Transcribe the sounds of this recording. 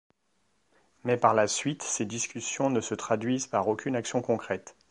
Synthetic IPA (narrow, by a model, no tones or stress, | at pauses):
mɛpaʁlasɥit̪sed̪iskʲysjɔ̃nəsət̪χad̪ɥizpaʁokʲynaksjɔ̃kɔ̃kχɛt̪